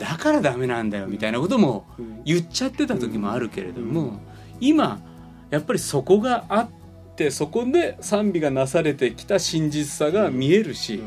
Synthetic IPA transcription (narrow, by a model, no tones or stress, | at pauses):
d̪̥akaɾad̪ame̞nãnd̪ajo̞mʲit̪ainako̞t̪o̞mo̞jɯt͡ɕːat̪ːe̞t̪at̪o̞kʲimo̞aɾɯ̟ke̞̰ɾḛd̪o̞̰mo̞ | ima | japːaɾʲiso̞ko̞ɡaːt̪ː | e̞so̞ko̞d̪e̞sãmbʲiɡanasaɾe̞t̪e̞kʲi̥t̪aɕĩɲ̟d͡ʑit͡sɨ̥saɡamʲie̞ɾɯ̟ɕi